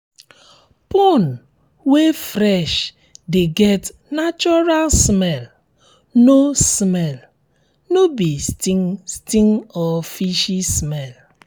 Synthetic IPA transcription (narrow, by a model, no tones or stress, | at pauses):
pɔn | wefɾɛʃ | deɡɛtnat͡ʃɔɾalsmɛl | nosmɛl | nobistiŋstĩŋɔfiʃismɛl